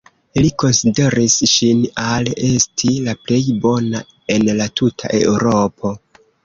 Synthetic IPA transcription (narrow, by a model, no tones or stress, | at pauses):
liko̞nside̞ɾisʃinale̞stʰilaple̞jbo̞na̰ | e̞nlatʰutʰa̰ʔe̞̰uɾo̞pʰo̞